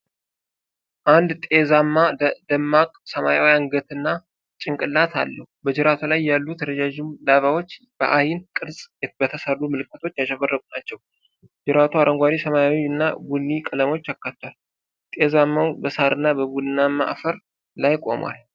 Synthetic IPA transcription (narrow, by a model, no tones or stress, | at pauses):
ʔand̪t̪ʼezamːad̪əmːakʼsəmajawijanɡət̪ɨnːa | t͡ʃʼɪŋkʼɨlːat̪ʰa̰lːəhubəd͡ʒɪɾat̪ʰulajːalːut̪ʰəɾəd͡ʒaʒɪmlaβawo̞t͡ʃː | b̥ə̰ʔajɪnkʼɨdsʼjɛbət̪ʰəsərːumɨlɨkːət̪ʰo̞t͡ʃːjaʃɛβərːəkʼunat͡ʃːɛw | d͡ʒɪɾat̪ʰuaɾʔəŋɡʷaɾisəmajawiɨnːa̰ɡunːikʼɨləmo̞t͡ʃːakːat̪ʰːwal | t̪ʼezamːawbəsaɾɨnːabəbudɨnːamːa̰ʔfəɾ | lajkʼo̞̰mwa̰l